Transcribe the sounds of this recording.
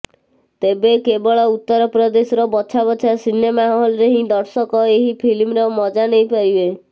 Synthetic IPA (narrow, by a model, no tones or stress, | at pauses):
t̪ebekebɔɭɔut̪ːɔɾɔpɾɔd̪esɔɾɔbɔt͡ʃʰabɔt͡ʃʰasinemaɦɔlɔɾeɦĩd̪ɔɾsɔkɔeɦipʰilimɾɔmɔd͡ʒanejpaɾibe